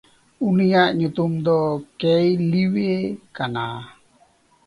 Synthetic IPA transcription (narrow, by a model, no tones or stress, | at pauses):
unijaʔɲut̪umd̪ɔkɛjliwekana